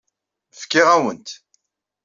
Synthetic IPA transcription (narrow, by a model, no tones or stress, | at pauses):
fkːɪʁæwənt̪